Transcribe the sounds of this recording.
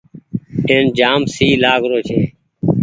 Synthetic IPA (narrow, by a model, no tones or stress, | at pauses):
eːnd͡ʒaːmsiːlaːɡɾoːt͡ʃʰeː